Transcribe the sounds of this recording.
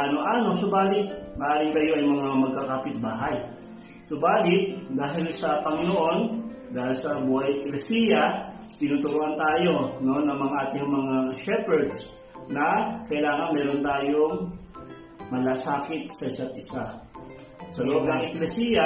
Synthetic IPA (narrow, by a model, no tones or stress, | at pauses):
anoʔaːno̞sobaːlɪt̪̚mɐʔaːɾɪŋk̪ɐjoʔɐjmɐŋamɐɡ̚kakaːpɪt̪̚baːɦɐj | sobaːlɪt̪̚d̪aːɦɪlsɐpɐŋɪnoʔo̞n | d̪aːhɪlsɐbuːhɐjʔɛklɛsiːjɐ | t̪ɪnuːt̪ʊɾuʔɐnt̪aːjo̞no̞nɐŋmɐŋaʔaːt̪ɪɐŋmɐŋaʃɛpɛɹd̪s | nɐkɐjlaːŋɐnmɛːɾo̞nt̪aːjo̞ŋ | mɐlaːsaːkɪt̪̚sɐɪsat̪̚ʔɪsa | sɐloʔo̞b̚nɐŋʔɛklɛsiːja